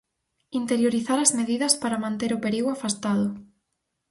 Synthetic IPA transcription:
int̪eɾjoɾiθaɾɐzmeðiðɐspaɾɐmãnt̪eɾʊpeɾiɣwafast̪aðʊ

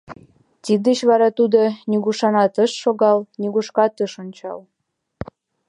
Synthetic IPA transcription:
t̪ʲid̪ət͡ɕβɑɾɑt̪ud̪onʲiɣuʃɑnɑt̪əʃːoɣɑlniɣuʃkɑt̪əʃonʲt͡ɕɑ̰l

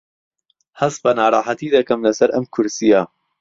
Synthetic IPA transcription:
hɐsbɐnaːɾˤɑːħat̪iːd̪ɐkɐmlɐsɐɾʔɐmkʰʊɾsija

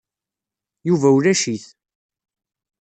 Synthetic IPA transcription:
juvæwlæʃiθ

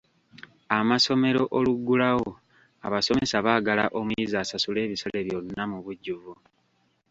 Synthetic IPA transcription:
amaso̞me̞ɾo̞ʔoluɡːulaɣo | a̰βaso̞me̞saβaːɡalaʔo̞mujizaːsasule̞ːβisale̞βjo̞nːamuβuɟːuvu

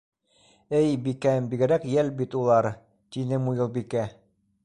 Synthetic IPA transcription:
ɘjbikæmbiɡɘ̆ɾækjælbit̪ulˠɑɾ | t̪inɘmujɤ̆lˠbikæ

